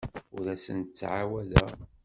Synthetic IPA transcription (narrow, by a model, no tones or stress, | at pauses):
ʊɾæsənt̪ət͡sːʕawælæ